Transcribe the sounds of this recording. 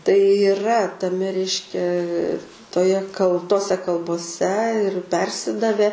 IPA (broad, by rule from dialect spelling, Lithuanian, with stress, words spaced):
tɐɪ iːˈrɐ tɐˈmʲɛ ˈrʲɛɪʃʲkʲɛ toːˈjɛ kɐlˠ ˈtoːsʲɛ kɐlˠboːˈsʲɛ ɪr ˈpʲɛrʲsʲɪdɐʋʲɛ